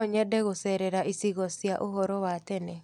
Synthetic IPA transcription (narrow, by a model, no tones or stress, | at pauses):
ɔɲɛdɛɣosɛɾɛɾaʔisiɣɔsjaʔoɦɔɾɔwatɛnɛ